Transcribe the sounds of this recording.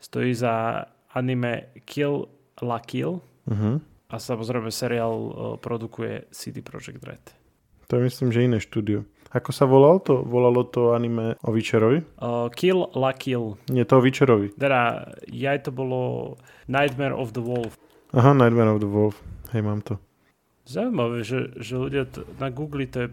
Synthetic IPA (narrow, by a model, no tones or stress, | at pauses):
st̪ɔ̰jiːza | animɛkʰil | lakil | m̩ɦm̩ | ʔasamɔzɾɛɪmɛsɛɾialpɾɔd̪ukujɛ̰sit̪ipɾɔ̰d͡ʒɛɡ̚t̪ɾɛ̰t̪ | t̪ɔɛmisliːmʒɛinɛːʃt̪uːd̪iɔ | akɔsaʋɔlalt̪ɔʋɔlalɔt̪ɔanimɛɔʋit͡ʃɛɾɔʋikillakilnɪɛt̪ɔɔʋit͡ʃɛɾɔʋit̪ɛd̪ajajt̪ɔbɔlɔ̰ | najd̪mɛɾʔɔ̰vd̪əʋɔlf | aɦanajd̪mɛɾɔvd̪əʋɔlfhɛjmaːmt̪ɔ | zauimaʋɛʒɛʒɛluɟɪanaɡuːɡlit̪ɔjɛ